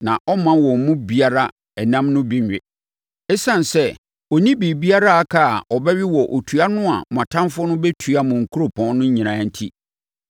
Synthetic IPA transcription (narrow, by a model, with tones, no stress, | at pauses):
nã˨ʔɔ˦mã˦wɔ̃˨m̩˨mũ˦bi˦a˦ɾa˦ | ɛ˨nã˦mnʊ̃˦bĩ˦ɲᶣ˨ɪ˨ | ɛ˦sã˨n˨sɛ˦ | ɔ˨nĩ˦bi˨bi˦a˦ɾa˦a˨kʰa˦˨ɔ˨bɛ˦ɥi˦wɔ˨ʔo˨tʰu˨a˦nʊ̃˦a̰˨m˨ã˨tʰã˦nfʊ˦nʊ̃˦bɛ˦tʰu˨a˦mʊ̃˨ŋ̩˨kʰu˦ɾo˨pʰɔ̃˦nʊ̃˦ɲ̩˦ɲĩ˨nã˨n̩˦tʰi˦